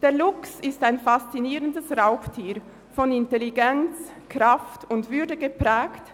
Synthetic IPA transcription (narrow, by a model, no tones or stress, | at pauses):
d̥eːɐlʊksɪstaɪnfast͡siniːʁəndəsʁaʊxtʰiːɾ | fɔnɪntɛliɡɛnt͡s | kʁ̥aftʊntv̥ʏɐdəɡəpʁ̥ɛːkt